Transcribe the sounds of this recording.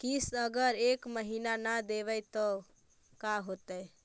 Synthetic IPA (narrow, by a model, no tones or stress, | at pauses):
kisəɡəɾekməɦinanad̪eʋəjt̪ɔ | kaɦot̪ə